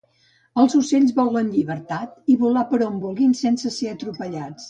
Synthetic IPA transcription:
əlˠzuseʎzβɔlˠənʎiβəɾt̪at̪̚iβulapəɾombulˠɣinsɛnsəseət̪ɾupəʎat͡s

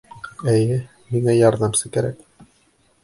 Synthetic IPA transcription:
æjɘ | miŋæjɑɾðɑmsɤkæɾæ̰k

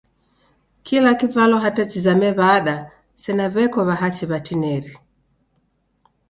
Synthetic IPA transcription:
kʰilakivalɔɦatat͡ʃizamɛβaːɗa | sɛnaβɛkɔβaɦat͡ʃiβatinɛɾi

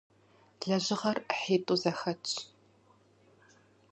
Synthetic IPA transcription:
ɮɐʑɪʁɐrħeːtʼuːzɐxɐt͡ʃʼʰ

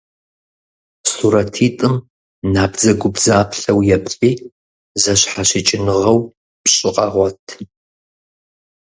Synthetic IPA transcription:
suɾɐtʰiːtʼɨm | naːbd͡zɐɡʷʊbzaːpɬɐwjɛpɕʼiː | zɐɕħaɕɪt͡ʃʼɪnɨʁɐw | pɕʼɪqʼɑʁʷɔtʰ

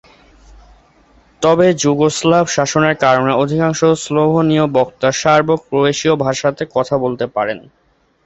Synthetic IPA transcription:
t̪ɔbed͡ʑuɡoslabʱʃaʃoneɾkaɾoneod̪ʱikaŋʃosloɦoniobɔkt̪aʃaɾbok̚pɾoeʃiobʱaʃat̪ekɔt̪ʰabolt̪epaɾen

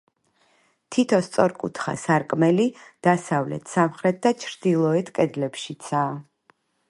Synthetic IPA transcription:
t̪ʰit̪ʰɔst̪sʼɔɾkʼṵt̪ʰχa̰saɾkʼmɛlid̪̥asavlɛ̰t̪ʰsamχɾɛt̪̚ʰd̪at͡ʃʰɾd̪̥ilˠɔɛt̪ʰkʼɛd̪lɛpʃit̪sʰaː

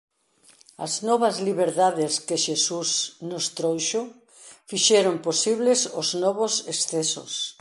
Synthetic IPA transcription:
ɐ̰znɔβɐzliβeɾðaðɪskeʃesusnʊst̪ɾojʃʊ | fiʃɛɾomposiβlesʊznɔβʊsesθɛsʊ̰s

